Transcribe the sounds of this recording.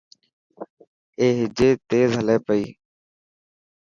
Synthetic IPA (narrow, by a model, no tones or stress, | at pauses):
eːɦɪd͡ʒeːt̪eːzɦəleːpəḭː